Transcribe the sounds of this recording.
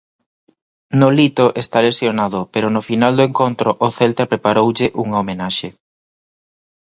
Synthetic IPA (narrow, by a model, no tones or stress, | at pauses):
nolit̪oʔest̪alesjonaðʊpeɾʊnʊfinald̪oeŋkont̪ɾʊʔːθelt̪apɾepaɾowʎɪʔuŋɐomenaʃe